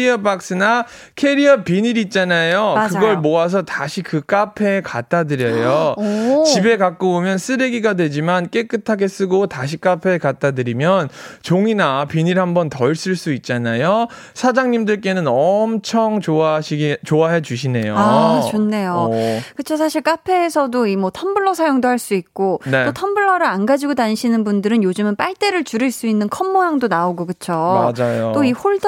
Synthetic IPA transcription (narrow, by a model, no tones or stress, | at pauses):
iʌpak̚s͈ɯna | kʰe̞ɾiʌpiɲiɾiːt̚t͡ɕ͈anajokɯɡʌɭmoas̬ʰʌtaɕʰikɯk͈apʰe̞kat͈adɯɾjʌjot͡ɕibe̞kak̚k͈oomjʌns͈ɯɾeɡiɡadwe̞d͡ʑimank͈e̞k͈ɯtʰaɡe̞s͈ɯɡotaɕ̬ʰik͈apʰe̞kat͈adɯɾimjʌnt͡ɕoŋinapiɲiɭhambʌntʌiɭs͈ɯɭs͈uit̚t͡ɕ͈anajo | sʰad͡ʑaŋɲimdɯɭk͈e̞nɯnʌmt͡ɕʰʌŋoaɕʰiɡt͡ɕoaɦe̞d͡ʑuɕ̬ʰine̞joat͡ɕonːe̞jokɯt͡ɕʰosʰaɕʰiɭk͈apʰe̞ːsʰʌdoimʌtʰʌmbɯɭːʌsʰajoŋdohaɭs͈uik̚k͈ontetotʰʌmbɯɭːʌɾɯɾanɡad͡ʑiɡodanɕʰinɯnbundɯɾɯnjod͡ʑɯmɯnp͈aɭt͈e̞ɾɯɭt͡ɕuɾɯɭs͈uinːɯnkʰʌmːojaŋdonaoɡokɯt͡ɕʰomad͡ʑajot͈oihoɭ